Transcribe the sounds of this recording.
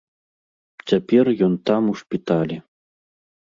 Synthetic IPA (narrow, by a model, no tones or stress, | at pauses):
t͡sʲapʲɛrjɔnt̪amuʂpʲit̪alʲi